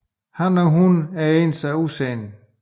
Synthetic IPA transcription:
hɑnɒɦunæeːnd̥sɑɪuseːn

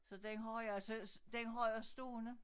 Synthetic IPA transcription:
sɒ̽d̥enɦɒɪæsəd̥enɦɒɪɐsd̥o̰ːnə

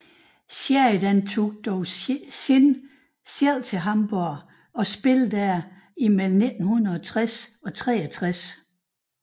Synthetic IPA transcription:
sed̥ænt͡sʰo̝ɡ̥̚d̥ɒʊ | n | sel̰ˠt͡sʰe̝ɦɑ̈mb̥ɔɐ | ɒ̽sb̥e̝ld̥æɐ | imel̰m̩ne̝d̥n̩huðˠɐɒt͡sʰʁasɒ̽t͡sʰʁɛ̰ːæt͡sʰʁas

